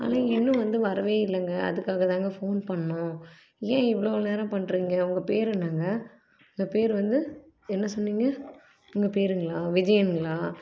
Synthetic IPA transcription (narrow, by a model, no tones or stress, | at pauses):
a̰ːlãːɪnːʊ̃ʋɐnd̪ɯʋɐɾɐʋeːɪlːɐŋɡɐɐ̰ðɯkːaːɣɐt̪ãːŋɡɐfoːnpɐɳːʊ̃ | jẽːɪʋɐɭoːneːɾɐ̃pɐɳːɾiːŋɡɐʊŋɡɐpeːɾɛɳːaːŋɡɐ | ʊŋɡɐpeːɾʋɐnd̪ɯ | ɛnːɐsɔnːiːŋɡɐ | ʊŋɡɐpeːɾɯŋɡɐɭaːʋɪd͡ʒɐjɐnɡɐɭaː